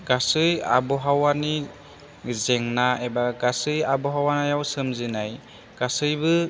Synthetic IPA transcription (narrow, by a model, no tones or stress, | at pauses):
ɡ̥asɯja̰bɔɦawani | zeŋnaebaɡasɯjabɔɦawanajawsɯmzɯnaj | ɡ̥asɯjbɯ